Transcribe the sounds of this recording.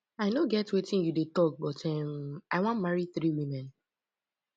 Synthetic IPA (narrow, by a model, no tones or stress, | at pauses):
aɪnoɡɛtwetĩnjudetɔk̚bɔtʰɛmaɪwɔ̃ntmaɹiθɹiwĩmɛ̃n